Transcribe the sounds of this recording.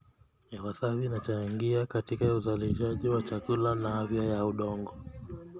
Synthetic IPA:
jawasavinat͡ʃaŋɡiakatikauzaliʃaʄiwat͡ʃakulanahavjajauɗɔŋɡɔ

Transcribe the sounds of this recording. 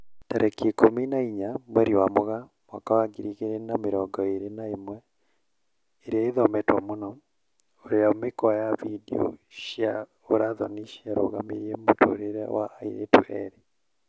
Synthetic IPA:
taɾʔɛkekominaiɲamwɛɾiwamoɣamwakawaɡiɾiɣeɾenameɾɔɡɔeɾenaemwɛ | eɾeaiðɔmɛtwɔmonɔ | oɾeaomekwajavidḛo̰ʃia | oɾaðɔniʃiaɾo̰ɣameɾjemoto̰ɾeɾɛ̰wa̰aiɾetṵɛɾi

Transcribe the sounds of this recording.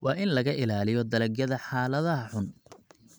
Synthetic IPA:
wɑːʔɪnlɐɣɐʔɪlaːlɪjɔd̪ɐlɐɡjɐðɐħaːlɐðɐɦɐħʊn

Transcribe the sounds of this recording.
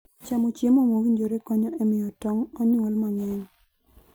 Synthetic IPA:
t͡ʃamot͡ʃjemomowiɲd͡ʒoɾekɔɲɔʔemɪjɔtɔŋɔɲwolmaɲwɛɲ

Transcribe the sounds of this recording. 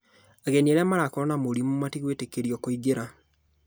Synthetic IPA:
aɣenieɾeamaɾakoɾɔnamoɾimumatiɣwetekeɾiɔkoiɣeɾa

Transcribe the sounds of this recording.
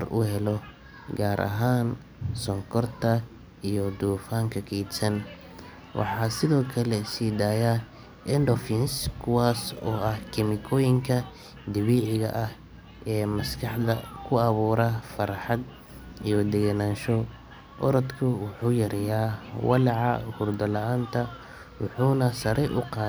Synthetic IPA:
ɐrʔʊ̰ɦɛlɔ | ɡaːɾʔɐ̰ɦaːn | sɔŋkʰɔrt̪ʰɐ | ijɔd̪uːfaːŋkʰɐkʰɛːd̪sɐn | wʔɑ̰ħɑːsɪðɔːkʰɐlɛsiːd̪aːja | ɛndɔfinskʰʊwaːsɔːɐhkʰɪmɪkʰɔːjɪŋkʰɐ | d̪ɪβiːʕɪɣɐ̰ʔɐh | ɛːmɐskʰɑħd̪ɐkʰʊɐβuːɾɐfɐɾħɑd̪ | ijɔd̪ɛɣɐnaːnʃɔ | ʔɔɾɐd̪kʰʊwʊħuːjɐɾɛjaːwɑ̰lɑʕɑhʊrd̪ɐlɐaːnt̪ʰɐ | wʊħuːnɐsɐɾɛjʔʊqɑː

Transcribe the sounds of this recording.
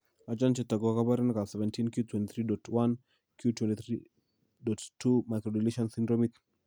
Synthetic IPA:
at͡ʃant͡ʃɛtaɡɔakabaɾɛnkasɛvɛntinkjutʰwɛntiθʰɾidɔtwan | kʰjutwɛntiθɾi | dɔttːumajkɾɔdiliʃɔnsindɾɔmit̪

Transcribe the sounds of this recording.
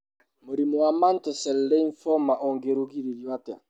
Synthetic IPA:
moɾimowamantɛsɛllɛinfɔmaʔɔŋɡeɾoɡiɾiljwatɛa̰

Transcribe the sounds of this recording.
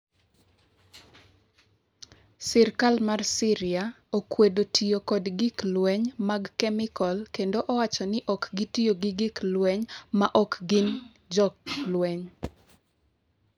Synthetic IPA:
sɪrkalmarsɪɾɪa | okwedotʰijokɔdɡɪklwɛɲmaɡkɛmɪkɔlkendoʔɔwat͡ʃɔnɪʔɔkɡɪtijoɡɪɡɪklwɛɲmaʔɔkɡɪn | d͡ʒɔk̚lwɛɲ

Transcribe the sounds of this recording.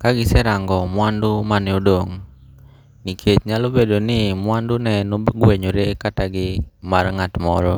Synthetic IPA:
kaɡisɛɾaŋɡɔmuandumanɛudɔŋ | nikʰet̪̚ɲalobɛdɔnimuandunɛnubɡuɛɲuɾɛkat̪aɡimaɾŋat̪mɔɾɔ

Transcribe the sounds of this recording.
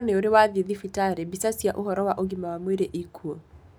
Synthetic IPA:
neoɾewaðeðifitaɾebisasiaʔohɔɾɔwaʔoɡimawamweɾeʔikʰuɔ

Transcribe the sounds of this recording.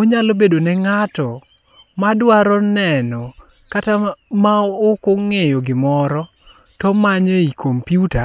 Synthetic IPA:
oɲalobedonɛŋatɔ | madwaɾɔnɛnɔ | katamaokoŋejoɡɪmɔɾɔ | tɔmaɲoikʰompjuta

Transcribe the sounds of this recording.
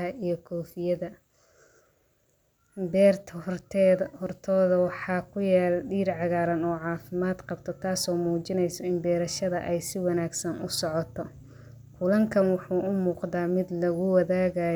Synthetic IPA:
ɐijɞkʰɔːfɪjɐðɐ | bɛːrt̪ʰː | hɔrt̪ʰɔːðɐwɑħɑːkʰʊjaːlɖiːɾʕɑɣaːɾɐnɔːʕɑːfɪmaːd̪qɑbt̪ʰɔt̪ʰaːsɔːmuːt͡ʃɪnɛjsɔɪnbɛːɾɐʃɐðɐ̰ʔɛjsɪwɑnaːɡsɐnʔʊsɔʕɔt̪ʰɔ | kʰʊlɐŋkʰɐnwɑħuːʊmuːqðaːmɪd̪lɐɣʊwɑðaːɣaː

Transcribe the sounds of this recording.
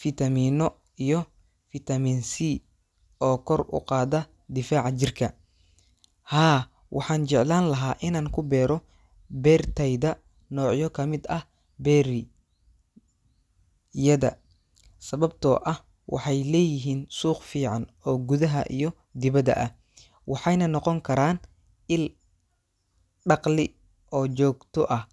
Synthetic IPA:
fit̪ʰɐmiːnɔ | ijɔ | fɪt̪ʰɐmiːnsi | ɔːkʰɔrʊ̰qɑːðɐ | d̪ɪfaːʕt͡ʃɪrkʰɐ | haː | wʔɑ̰ħɑːnt͡ʃɛʕlaːnlɐɦaːʔɪnaːŋkʰʊbɛːɾɔ | bɛːrt̪ʰɛjðɐ | nɔːʕjɔkʰɐmɪd̪ɐh | bɛːɾ | jɐðɐ̰ | sɐβɐb̚t̪ʰɔ̰ʔɐh | wɑ̰ħɑjlɛːjɪɦiːnsuːqfiːʕɑnɔːɡuðɐɦɐ̰ʔḭjɔ | d̪ɪβɐdɐ̰ʔɐh | wɑħɑjnɐnɔqɔŋkʰɐɾaːn | ʔɪl | ɖɑqlɪ | ʔɔːt͡ʃɔːɡt̪ʰɔʔɐh

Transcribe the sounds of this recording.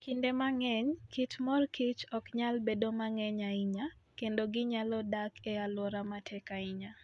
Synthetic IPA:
kindemaŋɛɲkit͡ʃmɔrkit͡ʃɔkɲalbedomaŋɛɲaiɲakendoɡɪɲalɔdakʰɛalwɔɾamatʰɛkaiɲa

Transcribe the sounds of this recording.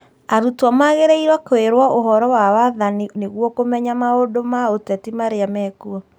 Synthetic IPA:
aɾutwamaɣeɾeiɾwakoeɾwaʔoɦɔɾɔwawaðanineɣwɔkomɛɲamaodomaotɛtimaɾeamɛkuɔ

